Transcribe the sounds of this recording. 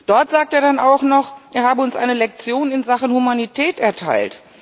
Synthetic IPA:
d̥ɔɐtz̥aːk̚teːɐdanaʊxnɔχʔeːɐɦaːbəʊnsʔa̰ɪnəlɛk̚t͡sjoːnɪnzaχənhumanitʰɛːtɛɐtʰa̰ɪlt

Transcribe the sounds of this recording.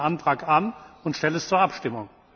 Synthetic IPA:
ʔantʁ̥aːkanʊntʃtɛlɛst͡suːɐʔapʃtɪmʊ̰ŋ

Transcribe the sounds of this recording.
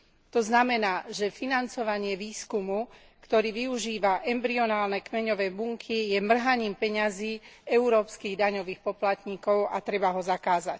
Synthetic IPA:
t̪ɔznamɛnaːʒɛfinant͡sɔʋaɲɪɛʋiːskumu | kt̪ɔɾiːʋiuʒiːʋaʔɛmbɾiɔnaːlnɛkmɛɲɔʋɛːbuŋkʰijɛmr̩ɦaɲiːmpɛɲaziːɛuɾɔːpskiːɣd̪aɲɔʋiːxpɔplat̪ɲiːkɔʊat̪ɾɛbaɦɔzakaːzac

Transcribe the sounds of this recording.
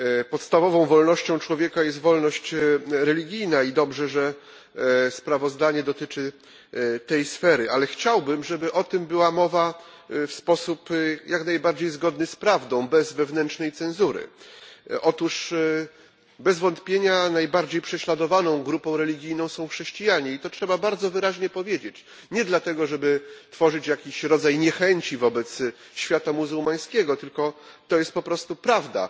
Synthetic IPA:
pɔt̪st̪avɔvɔ̃w̃vɔlnɔɕt͡ɕɔ̃w̃t͡ʂwɔvʲjɛkajɛst̪vɔlnɔɕt͡ɕɾɛlʲiɡʲijnaid̪ɔbʐɛʐɛ | spɾavɔzd̪aɲɛd̪ɔt̪ɘt͡ʂɘ | t̪ɛjsfɛɾɘʔalɛxt͡ɕawbɘmʐɛbɘʔɔt̪ɘmbɘwamɔva | fspɔsupjaknajbaɾd͡ʑejzɡɔd̪nɘspɾavd̪ɔ̃w̃bɛzvɛvnɛntʂnɛjt̪sɛ̃nzuɾɘ̰ | ʔɔt̪uʂ | bɛzvɔnt̪pʲjeɲanajbaɾd͡ʑejpʂɛɕlad̪ɔvanɔ̃w̃ɡɾupɔ̃w̃ɾɛlʲiɡʲijnɔ̃w̃sɔ̃w̃xʂɛɕt͡ɕijaɲɛit̪ɔtʂɛbabaɾd̪zɔvɘɾaʑɲɛpɔvʲjed͡ʑet͡ɕ | ɲɛd̪lat̪ɛɡɔʐɛbɘt̪fɔʐɘt͡ɕjakʲiɕɾɔd̪zajɲɛxɛɲt͡ɕivɔbɛt̪s | ɕfʲjat̪amuzuwmaj̃skʲɛɡɔt̪ɘlkɔt̪ɔjɛst̪̚pɔpɾɔst̪upɾavd̪a̰

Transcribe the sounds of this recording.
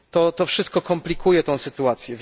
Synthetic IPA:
t̪ɔt̪ɔfʂɘst̪̚kɔkɔmplʲikujɛt̪ɔ̃w̃sɘt̪uat̪sʲjɛvʲ

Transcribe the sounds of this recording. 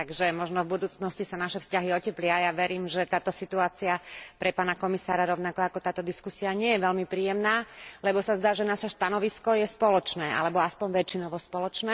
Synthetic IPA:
t̪aɡʒɛmɔʒnɔvbud̪uːt͡snɔscisanaʃɛfscaɦiɔcɛplɪajaʋɛɾiːmʒɛt̪aːt̪ɔsit̪uaːt͡siapɾɛpaːnakɔmisaːɾaɾɔʊnakɔakɔt̪aːt̪ɔd̪iskusiaɲɪɛjɛʋɛlmipɾiːjɛmnaːlɛbɔsazd̪aːʒɛnaʃɛʃt̪anɔʋiskɔjɛspɔlɔt͡ʃnɛːʔa̰lɛbɔaspɔɲʋɛt͡ʃːinɔʋɔspɔlɔt͡ʃnɛː

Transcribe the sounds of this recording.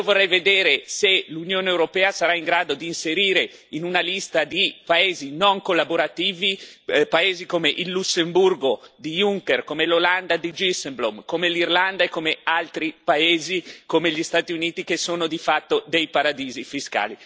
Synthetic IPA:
iovorːɛjved̪eːɾeselunjoːneewɾopɛːasaɾaiŋɡɾaːd̪od̪iːnseɾiːɾe | inunalist̪ad̪ipaeːzinoŋkolːaboɾat̪iːvipaeːzikomeʔilːusemburɡod̪iuŋkerkomeloland̪ad̪id͡ʒisemblomkomelirland̪aekːomealt̪ɾipaeːzikomeʎist̪aːt̪iuniːt̪ikesoːnod̪ifat̪ːod̪ejpaɾad̪iːzifiska̰ːli

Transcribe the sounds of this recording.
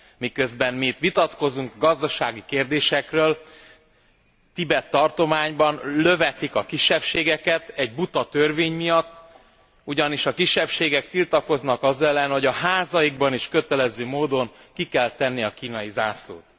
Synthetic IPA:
mikø̞zbɛnmit̪ʋit̪ɒt̪ko̞zuŋkɡɒzd̪ɒʃaːɡikeːrd̪eːʃɛkrøːl | t̪ibɛt̪ːɒrt̪o̞maːɲbɒnlø̞vɛt̪ikɒkiʃːɛpʃeːɡɛkɛt̪ɛɟ̚but̪ɒt̪ørveːɲmijɒt̪ː | uɟɒniʃɒkiʃːɛpʃeːɡɛk̚t̪ilt̪ɒko̞znɒkɒzɛlːɛnho̞ɟɒɦaːzɒjiɡbɒniʃkøt̪ɛlɛzøːmoːd̪o̞ŋ | kikɛlt̪ɛnːiɒkiːnɒjizaːslo̰ːt̪

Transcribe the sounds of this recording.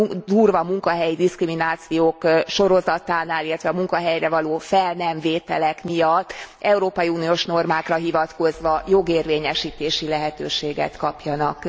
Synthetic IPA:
d̪uːrvɒmuŋkɒɦɛjid̪iskriminaːt̪sijoːkʃo̞ɾo̞zɒt̪aːnaːlilːɛt̪ʋɛɒmuŋkɒɦɛjrɛvɒloːfɛlnɛɱveːt̪ɛ̰lɛkmijɒt̪ːɛuɾoːpɒjiuːnijoʃno̞rmaːkrɒɦivɒt̪ko̞zʋɒjo̞ɡeːrveːɲɛʃiːt̪eːʃilɛɦɛt̪øːʃeːɡɛ̰t̪kɒpjɒnɒk

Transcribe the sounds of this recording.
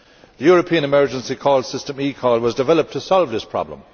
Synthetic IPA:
ðəjɔːɹəpʰĩə̃ñɪmɜ˞d͡ʒə̃nsikʰɔːlˠsɪstə̃miːkʰɔːlˠwɒzdɪvɛləp̚tʰəsɔlˠvðɪspʰɹ̥ɑ̰blə̰̃m

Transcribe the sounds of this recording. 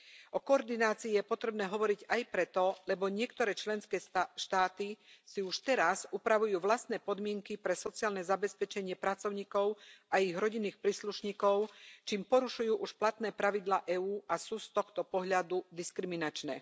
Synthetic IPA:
ʔɔkɔɔɾd̪inaːt͡siːjɛpɔt̪ɾɛbnɛːɦɔʋɔɾiɟajpɾɛt̪ɔlɛbɔɲɪɛkt̪ɔɾɛːt͡ʃlɛnskɛːʃt̪aːt̪isiuʃt̪ɛɾazupɾaʋujuːʋlast̪nɛːpɔd̪mɪɛŋkipɾɛsɔt͡siaːlnɛzabɛspɛt͡ʃɛɲɪɛpɾat͡sɔʊɲiːkɔʊaiɣɾɔɟinːiːxpɾiːsluʃɲiːkɔʊt͡ʃiːmpɔɾuʃujuːʔuʃplat̪nɛːpɾaʋid̪laːʔɛːuːʔasuːst̪ɔxt̪ɔpɔɦʎad̪ud̪iskɾiminat͡ʃnɛː

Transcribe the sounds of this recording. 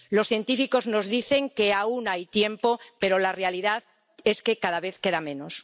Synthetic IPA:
lo̞sθje̞nt̪ifiko̞zno̞zðiθe̞ŋke̞aunajt̪je̞mpo̞pe̞ɾo̞larealiðað | e̞ske̞kaðaβeθke̞ðamẽ̞nos

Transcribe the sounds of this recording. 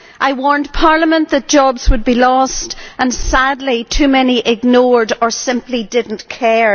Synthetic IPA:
ʔaɪwɔɹnpʰaɹlˠəmə̃nðət̚d̥ʒ̥ɔbz̥wəd̚bilɔstə̃nsadˡlitʰʉmɛniʔɪɡnoɹdə˞sɪ̃mplidɪdⁿn̩kʰɛɹ

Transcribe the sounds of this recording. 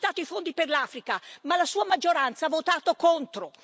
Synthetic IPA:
t̪aːt̪oifond̪iperlaːfɾikamalasuːamad͡ʒːoɾant̪savot̪aːt̪okont̪ɾo

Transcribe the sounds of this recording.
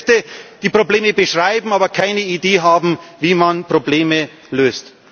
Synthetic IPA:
təd̥iːpʁ̥obleːməbəʃʁ̥aɪbm̩aːbɐkʰaɪnəideːɦaːbm̩viːmanpʁ̥obleːmə | løːst

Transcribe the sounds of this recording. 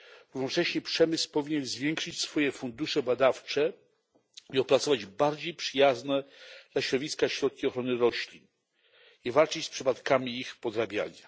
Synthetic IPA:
ɾuvnɔt͡ʂɛɕɲɛpʂɛmɘspɔvʲiɲɛnzvʲjɛŋkʂɘt͡ɕsfɔjɛfund̪uʂɛbad̪aft͡ʂɛ | iɔpɾat̪sɔvad͡ʑbaɾd͡ʑejpʂɘjaznɛd̪laɕɾɔd̪vʲiskaɕɾɔt̪̚kʲiɔxɾɔnɘɾɔɕlʲin | ivalt͡ʂɘt͡ɕspʂɘpat̪kamʲiixpɔd̪ɾabʲja̰ɲa

